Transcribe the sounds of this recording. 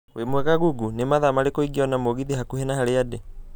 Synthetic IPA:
wemwɛɣaɣuɡunemaðamaɾekoiɡiɔnamoɣiðiɦakuhenahaɾeade

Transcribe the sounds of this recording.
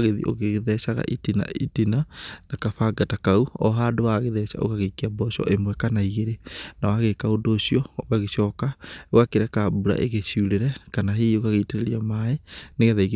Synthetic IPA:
ɣeðḭʔo̰ɣeɣeðɛsaɣa̰ʔitina̰itinanakafaɡatakauɔɦaːdowaɣeðɛsa̰o̰ɣaɣekeabɔsɔ̰ʔemwɛkanaiɣeɾenawaɣekaodoːsiɔβɛɣeɕɔkaoɣakeɾɛkabuɾa̰ʔeɣesiuɾeɾɛkanaɦeokaɣeiteɾeɾiamaeneɣɛðɛiɣ

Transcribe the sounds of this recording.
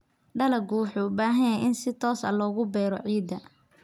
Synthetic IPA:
ɖɐlɐɡuːħʊbaːɦɐnɐʔɪnsɪt̪ʰɔːsɐ̰lɔːɣʊbɛːɾɔ̰ʕiːd̪ɐ

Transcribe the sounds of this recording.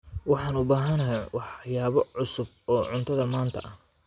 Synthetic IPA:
wɑħɑːnʊbaːɦɐnɐɦɛwɑħjaːβɔʕʊsʊb̚ | ɔːʕʊnt̪ʰɐðɐmaːnt̪ʰɐ̰ʔɐh

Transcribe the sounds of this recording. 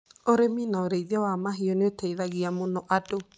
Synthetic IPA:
oɾeminaoɾeiðiawamaɦiɔneoteiðaɣiamonɔʔado

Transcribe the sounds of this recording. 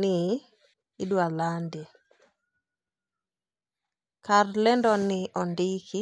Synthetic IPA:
nɪː | dwalande | karlɛndɔnɪʔɔndɪkɪ

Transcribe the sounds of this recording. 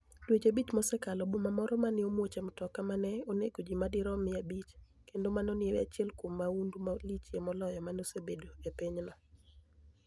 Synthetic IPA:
dwed͡ʒebit͡ʃmɔsɛkalɔbomamɔɾɔmanɪomwot͡ʃemɔtɔkamanɛonekod͡ʒimadɪɾɔmɪabit͡ʃ | kendomanonɪeweat͡ʃjɛlkwomːaundumalit͡ʃjemɔlɔjɔmanosebedoepɪɲnɔ

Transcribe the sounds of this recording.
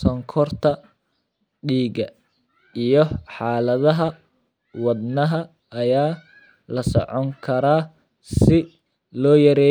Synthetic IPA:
sɔŋkʰɔrt̪ʰɐ | ɖiːɡɐ | ijɞħɑːlɐðɐɦɐ | wɑd̪nɐɦɐː | jaː | lɐsɔ̰ʕɔŋkʰɐɾaː | sɪ | lɔːjɐɾɛː

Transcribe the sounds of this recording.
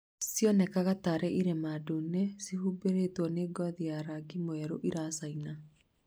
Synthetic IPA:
siɔnɛkaɣataɾɛʔiɾemadonɛsihubeɾetwɔneɡɔðiaɾaɡimoɛɾoʔiɾasaina

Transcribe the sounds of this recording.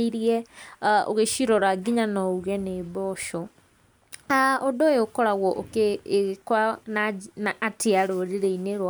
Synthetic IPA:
iɾjɛ | o̰ɣeʃiɾɔɾaɡiɲanɔuɣɛneːbɔʃɔ | aodojokɔɾaɣɔʔokeɣkwananaːtʰeaɾoɾeɾeineɾwa

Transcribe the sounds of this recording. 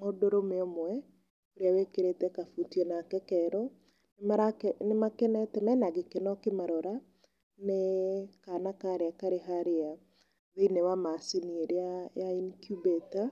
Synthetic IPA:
modoɾomeɔmwɛ | oɾeawekeɾetɛkafutiɔnakɛkɛɾɔ | nemaɾakɛnemakɛnɛtɛnaɛnaɡekenɔkemaɾɔɾa | nekanakaɾeakaɾeɦaɾea | ðeinewamasinieɾeajainkjubeta

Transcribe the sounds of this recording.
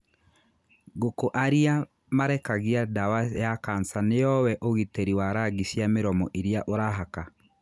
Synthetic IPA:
ɡokoʔaɾia | maɾɛkaɣiadawajakansanejɔwɛʔoɣiteɾiwaɾaɣisjameɾɔmɔʔeɾiaʔoɾaɦaka

